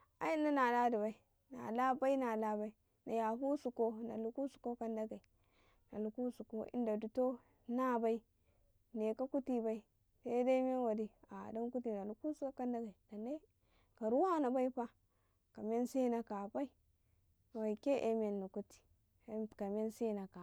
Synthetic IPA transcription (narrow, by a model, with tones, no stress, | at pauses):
a̰˨ji˦nːa˦na˨la˦di˨ba˨i˨ | na̰˨la˦ba˦i˦na˨la˦ba˦i˦ | na̰˨ja˨ɦu˦su˨ko˦na̰˨lu˨ku˦su̥˨ko˦ka˦nda˦ɡa˨i˨ | na̰˨lu˨ku˦su˨ko˦ḭ˦nda˨du˨to˦ | na˦ba˦i˦ | ne˨ka˦ku˦ti˦ba˦i˦ | se˦da˦me˦nwa˨di˦a̰˨da˦mku˦ti˨na˨lu˨ku˦su˦ka˦ka˦nda˦ɡa˨i˨da˨ne˦ | ka˨ɾu˦wa˦na˨ba˦i˦pa˦ | ka˨me˦nsi˦na˨ka˨ba˦i˦˨ | wa˨i˨ke˦ʔḛ˦me˨nːu˨ku˦ti̥˨˦˨ | ka˨me˦nsi˦˨na˨ka˨